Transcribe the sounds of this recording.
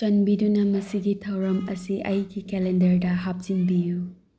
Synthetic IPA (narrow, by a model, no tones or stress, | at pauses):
t͡ʃɐnbidunɐmɐsiɡitʰɐwɾɐmɐsiʔɐjɡikelendɐɾdɐɦap̚z̥inbiju